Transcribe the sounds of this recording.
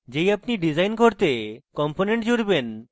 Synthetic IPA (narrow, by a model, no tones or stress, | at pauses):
d͡ʑejapniɖid͡ʑajnkoɾt̪ekɔmponeɳʈd͡ʑuɾben